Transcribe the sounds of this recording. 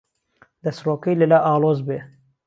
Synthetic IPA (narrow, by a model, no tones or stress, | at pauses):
d̪̥ɐsɾoːkejləlaːʔɑːloːzbeː